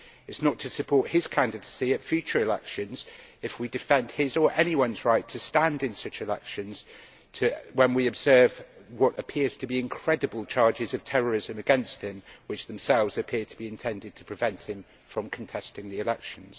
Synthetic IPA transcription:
ɪtsnətʰəsɨpʰɔɹˑt̚hɪz̥kʰæ̃ndɨdəsiɨtfjʉˑt͡ʃə˞ɪlɛ̰kʃɨ̃nz̥ɨfwidɨfɛ̃nd̥̚ɪzə˞ʔɛñiwʌ̃nzɹaɪtʰəstãndɨ̃nsʌt͡ʃɪlɛ̰kʃɨ̃nz̥ | tʰɨwə̃nwiɨbz̥ɜːvwɒɾəpʰɪəz̥tʰəbiɪ̃nkʰɹ̥ɛdɨbəlˠt͡ʃʰɑɹd͡ʒɪzʌv̥tʰɛɹəɹɪzɨ̃mɨɡɛ̃nst̚hɪ̃mwɨt͡ʃðə̃msɛlˠvzəpʰɪəd̚tʰəbiɪ̃ntʰɛ̃ndɨd̚tʰə̥pʰɹ̥ɪvɛ̃nʔhɨ̃ɱ | fɹə̃mkʰə̃n̩tʰɛstɪ̃ŋðiɪlɛkʃə̃nz̥

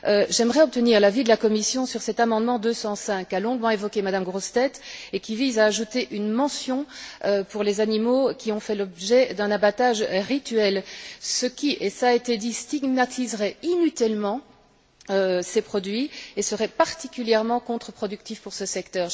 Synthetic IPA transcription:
øʒɛmʁɛɔp̚t̪əniːʁlavid̪əlakɔmisjɔ̃syʁsɛt̪amɑ̃d̪mɑ̃d̪øsɑ̃sɛ̃kːalɔ̃ɡmɑ̃evɔkʲemad̪amɡʁost̪ɛt̪ekʲivizaːʒut̪eʔynmɑ̃sjɔ̃øpuʁlezanimokʲʰiɔ̃fɛlɔbʒɛd̪ɛ̃nabat̪aʒʁit̪ɥɛlsəkʲiʔesaet̪ed̪ist̪iɡmat̪ʰizʁɛinyt̪ilmɑ̃ | øsepχɔd̪ɥiesəʁɛpaʁt̪ikʲyljɛʁmɑ̃kɔ̃t̪χəpχɔd̪yk̚t̪ifpuʁsəsɛkt̪œːʁ

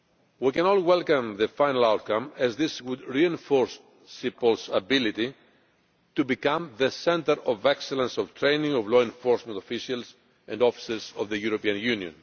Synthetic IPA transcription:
wikɛ̃nolwelkɐ̃mðəfajnɐlawt̪̚kɐ̃mɛzðiswud̪ɹiẽnfoɹsː | ipolsɐbilit̪i | t̪ubikãmðəsɛ̃nt̪əɾovekselɐ̃nsov̥t̪ɾẽjnĩŋovloẽnfoɾsmẽnt̪ofiʃiɐls | ẽndofi̥sezovðəjuɾopiɐ̃njʉniõ̰n

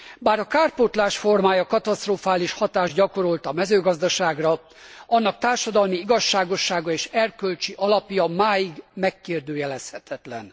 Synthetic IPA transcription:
baːɾɒkaːrpot̪laːʃfo̞rmaːjɒkɒt̪ɒst̪roːfaːliʃhɒt̪aːʒɟɒko̞ɾo̞lt̪ɒmɛzøːɡɒzd̪ɒʃaːɡrɒ | ɒnːɒk̚t̪aːrʃɒd̪ɒlmiiɡɒʃːaːɡo̞ʃːaːɡɒeːʃɛrkølt͡ʃiʔɒlɒpjɒmaːjiɡmɛkːeːrd̪øːjɛlɛshɛt̪ʰɛt̪lɛn

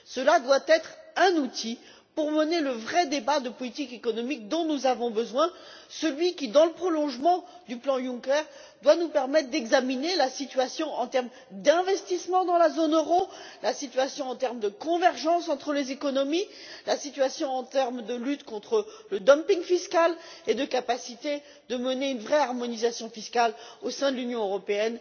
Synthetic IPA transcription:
səlad̪wat̪ɛt̪χɛ̃nut̪ʰi | puʁməneləvʁɛd̪ebad̪əpɔlit̪ikekɔnɔmik̚d̪ɔ̃nuzavɔ̃bəzwɛ̃səlɥikʲid̪ɑ̃ləpχɔlɔ̃ʒmɑ̃ | d̪yplɑ̃jũkɛʁ | d̪wanupɛʁmɛt̪χd̪ɛɡzaminelasit̪ɥasjɔ̃ʔɑ̃t̪ɛʁm | d̪ɛ̃vɛst̪ismɑ̃d̪ɑ̃lazonøʁolasit̪ɥasjɔ̃ɑ̃t̪ɛʁmd̪əkɔ̃vɛʁʒɑ̃sɑ̃t̪χəlezekɔnɔmi | lasit̪ɥasjɔ̃ɑ̃t̪ɛʁmd̪əlyt̪kɔ̃t̪χələd̪ɔmpiŋfiskaled̪əkapasit̪e | d̪əməneynvʁɛaʁmɔnizasjɔ̃fiskalosɛ̃d̪əlynjɔ̃øʁɔpeɛn

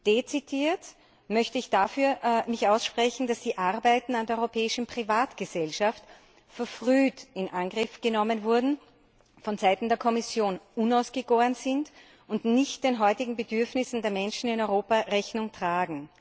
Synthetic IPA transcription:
d̥et͡sitʰiːɐt | mœçtəɪçd̥afyːɐmɪçaʊsʃpʁ̥ɛçn̩d̥asd̥iːʔaʁɐbæɪtn̩andeɐɔʏʁopʰɛːɪʃn̩pʁ̥ivaːtɡ̥əzɛlʃaft | fɛɐfʁyːtɪnʔaŋɡʁɪfɡ̥ənɔmənvʊɐdn̩ | fɔnzaɪtn̩deːɐkʰɔmɪsjoːnʔunaʊsɡ̥əɡoːɐnzɪnt | ʊntnɪçtd̥enɦɔʏtɪɡŋ̩bədʏɐfnɪsn̩deːɐmɛnʃn̩ɪnɔʏʁoːpaʁɛçnʊŋtʁ̥aːɡŋ̩

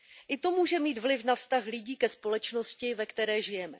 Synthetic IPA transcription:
ʔɪt̪o̞muːʒɛmiːt̪vlɪfnafst̪axlɪɟiːkɛspo̞lɛt͡ʃno̞scɪvɛkt̪ɛɾɛːʒɪjɛmɛ

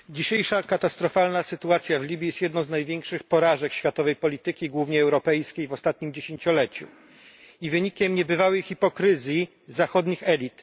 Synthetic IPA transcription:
d͡ʑiɕejʂakat̪ast̪ɾɔfalnasɘt̪uat̪sʲjavlʲibʲjijɛst̪jɛd̪nɔ̃w̃znajvʲjɛŋkʂɘxpɔɾaʐɛkɕfʲjat̪ɔvɛjpɔlʲit̪ɘkʲiɡwuvɲɛɛwɾɔpɛjskʲejvɔst̪at̪ɲimd͡ʑeɕeɲt͡ɕɔlɛt͡ɕṵ | ivɘɲikʲɛmɲɛbɘvawɘxʲipɔkɾɘzʲji | zaxɔd̪ɲixɛlʲit̪

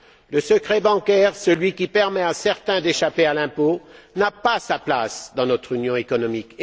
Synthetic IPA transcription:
ləsəkχɛbɑ̃kʲɛːʁsəlɥikʲipɛʁmɛasɛʁt̪ɛ̃d̪eʃapealɛ̃po | napasaplasd̪ɑ̃nɔt̪χynjɔ̃ekɔnɔmik

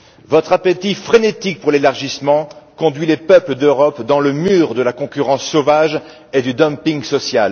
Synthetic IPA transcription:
vɔt̪χapet̪ifχenet̪ik̚puʁlelaʁʒismɑ̃kɔ̃d̪ɥilepœpləd̪øʁɔpd̪ɑ̃ləmyːʁd̪əlakɔ̃kʲyʁɑ̃sːovaʒ | ed̪yd̪ɔ̃mpiŋsɔsjal

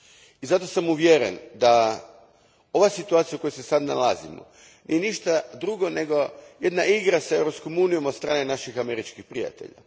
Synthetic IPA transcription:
izat̪o̞samuʋjeɾḛnd̪a | o̞ʋasit̪uaːt̪sijaukojosesad̪na̰lazḭmo̰ | nʔḭje̞niʃt̪ad̪ɾuɡo̞ne̞ɡo̞jed̪naʔiɡɾasae̞wɾo̞psko̞muːnijo̞mot̪st̪ɾaːnenaʃixame̞ɾit͡ʃkixpɾija̰t̪ḛʎa̰

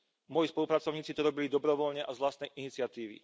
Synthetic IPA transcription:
mɔjispɔlupɾat͡sɔʊɲiːt͡sit̪ɔɾɔbilid̪ɔbɾɔʋɔʎɲɛʔazʋlast̪nɛjʔinit͡sɪat̪iːʋḭ

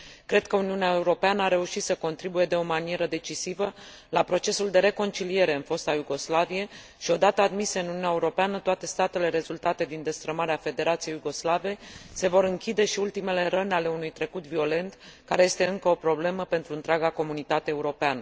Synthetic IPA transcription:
kɾe̞d̪̚kəuniuneaeuɾo̞peanəaɾe̞uʃit̪səko̞nt̪ɾibuje̞d̪e̞o̞manie̞ɾəd̪e̞t͡ʃisivə | lapɾo̞t͡ʃe̞suld̪e̞ɾe̞ko̞nt͡ʃilie̞ɾe̞ɨnfo̞st̪ajuɡo̞slavije̞ | ʃio̞d̪at̪əad̪miseɨnununeaeuɾo̞peanət̪oat̪e̞st̪at̪e̞le̞ɾe̞zult̪at̪e̞d̪ind̪e̞st̪ɾəmaɾeafe̞d̪e̞ɾat̪sijejuɡo̞slavese̞vo̞ɾɨŋkʲid̪e̞ʃiult̪ime̞le̞ɾənale̞unujt̪ɾe̞kut̪vio̞le̞nt̪kaɾeje̞st̪e̞ɨŋkəo̞pɾo̞ble̞məpe̞nt̪ɾuɨnt̪ɾeaɡako̞munit̪at̪e̞ːuɾo̞peanə

